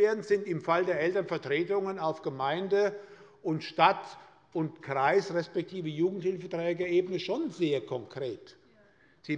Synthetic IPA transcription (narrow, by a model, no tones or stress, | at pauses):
eːɐdn̩zɪntɪmfaldeːɐɛltɐnfɛɐtʁ̥eːtʊŋənaʊfɡ̥əmaɪndə | ʔʊntʃtat | ʊntkʁ̥aɪsʁɛspɛk̚tʰiːvəjuːɡŋ̩thɪlfətʁ̥ɛːɡəʔeːbənəʃoːnzeːɐkʰɔŋkʁ̥eːt | z̥iː